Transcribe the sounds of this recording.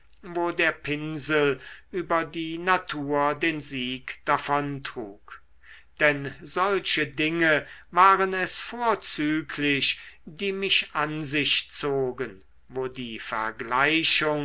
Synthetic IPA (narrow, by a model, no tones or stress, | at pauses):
voːdeːɐpʰɪnzəlʔyːbɐdiːnatʰuːɐdeːnziːkd̥afɔntʁ̥uːk | d̥ɛnzɔlʃədɪŋəvaːʁənɛsfoːɐt͡syːkʰlɪɕdiːmɪʃʔanzɪʃt͡soːɡən | voːdiːfɛ̰ɐɡlaɪʃʊŋ